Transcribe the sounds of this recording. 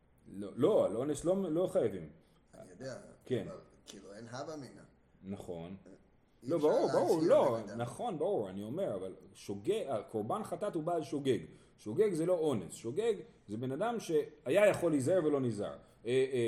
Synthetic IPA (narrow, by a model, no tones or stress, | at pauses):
lolo̞alʔo̞neslo̞mlo̞χajavim | jd̪aken | kiluenɦabaminaː | aχo̞̰n | lo̞baʁuʁbaʁuʁlo̞naχo̞nbaʁuʁanio̞me̞ʁavalʃoɡeɡako̞ʁbanχat̪at̪hubaːlʃo̞ɡe̞ɡ | ʃoɡe̞ɡze̞lo̞o̞nesʃoɡeɡ | ze̞be̞nadamʃe̞hajajaχo̞lizaeʁve̞lo̞niza̰ʁ | e